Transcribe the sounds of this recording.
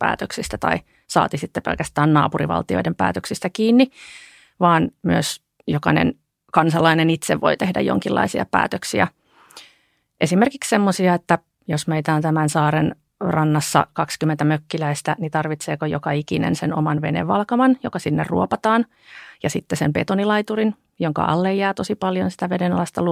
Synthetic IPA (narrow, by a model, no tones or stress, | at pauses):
pæ̰ːt̪øksist̪æt̪ɑ̰i | sɑ̰ːt̪isit̪ːepelkæst̪æːnnɑ̰ːpurḭʋɑ̰lt̪io̰dempæ̰ːt̪øksist̪ækiːnːi | ʋɑːnmyøs | jokɑ̰nḛn | kɑnsɑlɑinenit̪seʋʋʔo̞̰it̪ehdæ̰jo̰ŋkilːʔɑ̰isiɑ̰pæ̰ːt̪øksiæ | ʔesimerkikssemːosiɑet̪ːæ | josmeit̪æːnt̪æmænsɑːɾen | rʔɑnːɑsːɑ̰kɑkskymːent̪æmøkːilæist̪ænit̪ɑrʋit̪seːkojokɑikinḛnsenomɑnʋenḛʋːɑlkɑmɑnjokɑsinːerrṵopɑt̪ɑːn | jɑsit̪ːesempḛt̪onilɑit̪urin | joŋkɑ̰ʔɑ̰lːejjæːt̪osipɑljonsi̥t̪æʋedenɑlɑst̪ɑlu